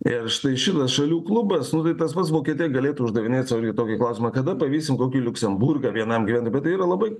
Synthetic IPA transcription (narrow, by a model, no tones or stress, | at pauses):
ɪrʃt̪ɐɪʃʲɪt̪ɐsʃɐlʲuːklˠʊbɐsnʊt̪ɐɪt̪ɐspɐt̪sʋoːkʲiɛt̪ʲijɛɡɐlʲeːt̪uʊʒd̪ɐʋʲɪnʲeːt̪sʋɐlʲɡʲɪt̪oːkʲɪklˠɐʊsʲɪmɐkɐd̪ɐpɐʋʲiːsʲɪmkoːkʲiːlʲʊksʲɛmbʊrɡɐʋʲiɛnɐmɡʲiʋʲænt̪oɪbʲɛt̪ɪiːɾɐlˠɐbɐɪ